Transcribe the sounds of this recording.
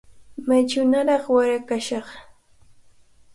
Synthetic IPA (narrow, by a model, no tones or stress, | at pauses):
majt͡ʃʊnaɾɑχwaɾakaʃɑχ